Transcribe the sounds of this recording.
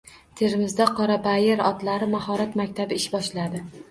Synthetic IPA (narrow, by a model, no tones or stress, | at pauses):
t̪ʰe̞ɾɪmɪzd̪aqʰɒɾabajeɾɒt̪laɾɪmahɒɾat̪makʲt̪ʰabɪɪʃbɒʃlad̪ɪ